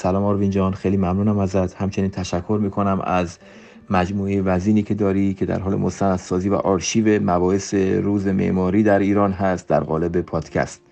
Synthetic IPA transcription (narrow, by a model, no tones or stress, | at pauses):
sælɒːmɒːɾvind͡ʒɒːnxejliːmæmnuːnæmæzæt̪ʰhæmt͡ʃʰe̞niːnt̪ʰæʃækʰːo̞ɾmiːkʰo̞næmæ̰z | mæd͡ʒmuːejevæziːniːcʰe̞d̪ɒːɾicʰe̞d̪æ̰ɾɦɒːle̞̰most̪ænæd̪̥sɒːziːvæ̰ʔɒːɾʃiːve̞mæbɒːheseɾuːzemḛʔmɒːɾiːd̪æɾiːɾɒːnɦæst̪̚d̪æ̰ɾɣɒ̰ːle̞be̞pʰɒːd̪̥cʰæ̰st̪